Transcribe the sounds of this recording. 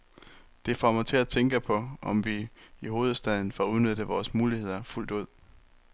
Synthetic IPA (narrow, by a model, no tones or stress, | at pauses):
d̥e̝fɒmɒt͡sʰe̝læt͡sʰeŋɡ̥əpʰɒ̽ɒ̽mʋiiɦo̝ːð̞ˠsd̥ɛð̞ˠn̩fɒuð̞ˠnød̥ð̩əʋɒːsmuːlihe̝ð̞̰ˠɐful̰d̥uð̰ˠ